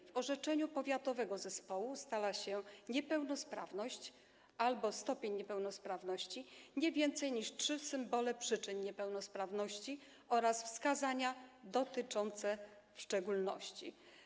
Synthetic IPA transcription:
vɔʐɛt͡ʂɛɲupɔvʲjat̪ɔvɛɡɔzɛspɔwust̪alaɕɛɲɛpɛwnɔspɾa̰vnɔɕt͡ɕ | albɔst̪ɔpʲjeɲɲɛpɛwnɔspɾavnɔɕt͡ɕiɲɛvʲjɛnt̪sɛjɲiʂtʂɘsɘmbɔlɛpʂɘt͡ʂɘɲɲɛpɛwnɔspɾavnɔɕt͡ɕi | ɔɾasfskazaɲad̪ɔt̪ɘt͡ʂɔnt̪sɛ | fʂt͡ʂɛɡulnɔ̰ɕt͡ɕḭ

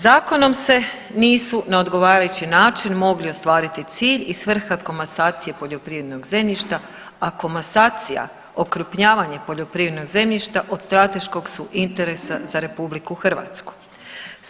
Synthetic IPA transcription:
zaːko̞no̞mse̞ | niːsunao̞d̪ɡo̞ʋaːɾajut͡ɕinaːt͡ʃinmo̞ɡlio̞st̪ʋaːɾit̪it̪siːʎisʋr̩xako̞masaːt̪sije̞po̞ʎo̞pɾiːʋɾed̪no̞ɡze̞mʎiʃt̪a | ako̞masaːt̪sija̰ | o̞kɾupɲaːʋaɲepo̞ʎo̞pɾiːʋɾe̞d̪no̞ɡze̞mʎiʃt̪aʔo̞d̪st̪ɾat̪e̞ʃko̞ɡsuʔint̪e̞ɾe̞sazaɾe̞publikuxr̩ʋa̰ːt̪sku̥

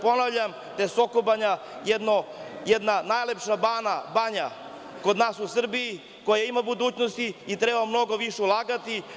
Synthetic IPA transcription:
po̞naʋvʎam | d̪̥ajesokobaɲa | jɛd̪no | jɛd̪nanaːjlepʃabaːnabaɲa | ko̞d̪naːsusr̩biji | ko̞jaimabud̪uːt͡ɕnost̪iːt̪ɾebamno̞ɡo̞ʋiʃeulˠaːɡat̪i

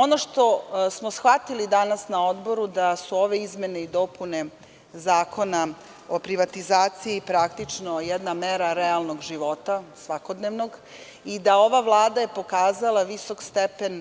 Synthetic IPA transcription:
o̞noʂt̪o̞smo̞sxʋat̪ilid̪anasnao̞d̪bo̞ɾud̪asuoʋe̞izme̞ne̞id̪o̞pune̞ | zaːko̞na | o̞pɾiʋat̪izaːt̪siipɾakt̪it͡ʂno̞jed̪nameɾaɾealˠnoɡʒiʋo̞t̪asʋakod̪neʋno̞ɡ | id̪ao̞ʋavlˠaːd̪aje̞po̞kaːzalˠaʋiso̞kst̪epen

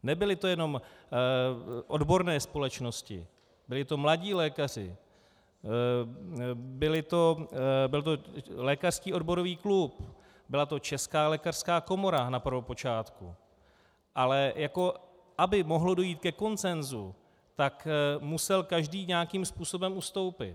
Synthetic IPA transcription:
nɛbɪlɪt̪o̞jɛno̞m | ʔo̞dbo̞ɾnɛːspo̞lɛt͡ʃno̞scɪ̰ | bɪlɪt̪o̞mlaɟiːlɛːkar̝ɪ̰ | bɪlɪt̪o̞bɪlt̪o̞lɛːkar̥skiːʔo̞dbo̞ɾo̞viːklup | bɪlat̪o̞t͡ʃɛskaːlɛːkar̥skaːko̞moɾanapr̩vopo̞t͡ʃaːt̪kṵ | ʔalɛjako̞ | ʔabɪmo̞ɦlodo̞jiːt̪kɛko̞nt͡sɛnzu | t̪akmusɛlkaʒdiːɲaakimspuːso̞bɛmʔust̪o̞wpɪt̪

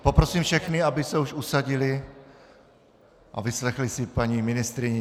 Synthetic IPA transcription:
popɾosiːmfʃɛxnɪabɪsɛuʃusaɟɪlɪ | ʔa̰vɪslɛxlɪsɪpaɲiːmɪnɪst̪ɾɪɲɛ

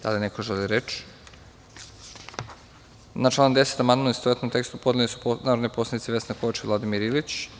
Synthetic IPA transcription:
d̪a̰linekoʒeliɾet͡ʃ | nat͡ʃlˠanomd̪e̞set̪amand̪moist̪oet̪nomt̪e̞kst̪upod̪ʲelisu̥naːɾod̪nojposlad̪it̪iʋe̞snekoʋat͡ʃilˠad̪imiɾilit͡ɕ

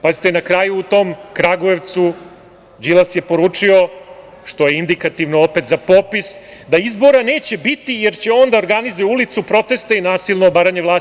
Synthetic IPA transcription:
pazit̪enakɾajuːt̪o̞mkɾaɡoeʋt̪su | d͡ʑilˠasje̞po̞ɾuːt͡ʂio̞ | ʃt̪o̞jeind̪ikat̪iʋnoope̞t̪zapopisd̪aizbo̞ɾaneːt͡ɕe̞bit̪ije̞ɾt͡ɕeo̞nd̪aoɾɡanizojulit̪supɾo̞t̪e̞st̪ainaːsilˠnoːbaːɾaɲeʋlaː

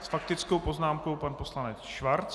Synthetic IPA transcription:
sfak̚t̪ɪt͡sko̞wpo̞znaːmko̞wpanpo̞slanɛt͡sʃvaɾt͡s

